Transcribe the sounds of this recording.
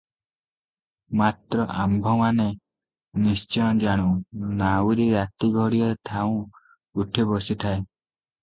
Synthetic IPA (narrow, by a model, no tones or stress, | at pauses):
mat̪ɾɔʔambʱɔmane | nist͡ʃɔjɔ̃d͡ʒaɽ̃ũnawɾiɾat̪iɡʱɔɽiɔɾet̪ʰaũ | uʈʰebɔsit̪ʰae